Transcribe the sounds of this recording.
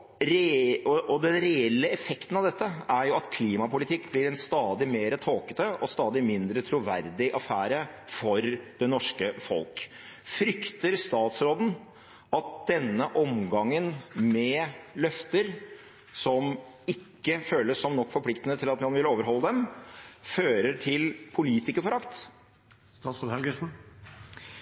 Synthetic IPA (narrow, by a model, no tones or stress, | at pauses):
ɾɛɔʔɔd̪ɛnɾɛɛlːəɛfɛkt̪ən̩ɑʋd̪ɛt̪ːəæɾjʊɑt̪kʰliːmɑpʊlɪt̪ʰɪkːblɪɾɛnst̪ɑːd̪ɪmeːɾət̪ʰoːkə̥t̪əʔɔst̪ɑːd̪ɪmɪnd̪ɾət̪ʰɾuʋæɾd̪ɪʔɑfæːɾəfɔɾd̪̥ɛnɔʂkəfɔ̰lk | fɾʏkt̪əɾst̪ɑːt̪sɾoːd̪n̩ | ɑt̪̚d̪̥ɛnːəʔɔmɡɑŋːənmɛlœft̪əɾ | sɔm | ɪkːəføːləssɔmnɔkːfɔɾpʰlɪkt̪ənət̪ʰɪlɑt̪mɑnʋɪloːʋəɾɦɔlːəd̪ɛmføːɾəʈʰɪlpʰʊliːt̪ɪkəfɔɾɑkt̪ | st̪ɑːt̪soːd̪ɛlɡəsn̩